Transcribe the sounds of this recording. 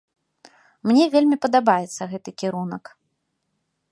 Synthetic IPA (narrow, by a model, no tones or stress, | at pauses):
mnʲɛvʲelʲmʲipɐd̪abajɛt̪sːɐɣɛt̪ɨkʲiɾunɐk